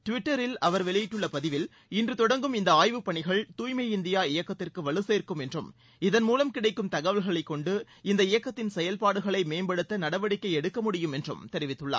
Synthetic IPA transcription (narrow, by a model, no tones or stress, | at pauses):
ʈʊʋɪʈːɐɾɪlɐʋɐɾʋɛɭɐjɪʈːɯɭːɐpɐðɪʋɪl | ɪndrɯt̪ɔɽɐŋɡɯmɪnd̪ɐaːjʋɯpːɐɳɪɣɐɭt̪uːjmɐɪɪnd̪ɪjaːɪjɐkːɐt̪ːɪrkɯʋɐɭɯseːɾkːɯmɛndrɯm | ɪðɐnmuːlɐmkɪɽɐɪkːɯmt̪ɐɣɐʋɐlɣɐɭɐɪkːɔɳɖɯ | ɪnd̪ɐɪjɐkːɐt̪ːɪnsɛjɐlpaːɽɯɣɐɭɐɪmeːmbɐɽɯt̪ːɐnɐɽɐʋɐɽɪkːɐɪɛɽɯkːɐmʊɽɪjɯmɛndrɯ̰mt̪ɛɾɪʋɪt̪ːɯɭːa̰ːɾ